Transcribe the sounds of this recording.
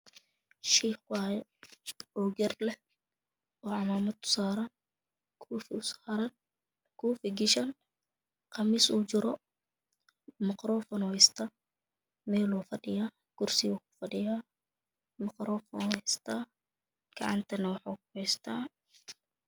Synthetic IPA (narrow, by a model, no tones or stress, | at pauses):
ʃiːχwajɛʔɔːɡɐrlɛ | ɔːʕɑmaːmɐd̪̚ʰʊ̥saːɾɐn | kʰufsaɾɐn | kʰuːfɪɡɪʃɐn | qɑmɪsuːt͡ʃɪɾɔ | mɪqɾɔːfɔnɔhɛjst̪ʰa | mɛːluːfɐɗɪjaː | ɡ̥ʊrsiwʊkʊ̥fɐɖɪjaː | mɪqɾɔːfɔ̰nɛst̪ʰaː | ɡ̥ɑʕɑ̰nt̪ʰɐnɐwɑħaːkʊhɛjst̪ʰaː